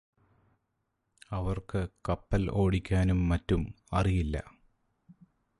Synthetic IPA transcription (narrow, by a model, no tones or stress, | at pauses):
ɐʋɐrkɨkɐpːɐlʔo̞ːɽikʲːaːnumːɐtːum | ɐrijilːɐ̰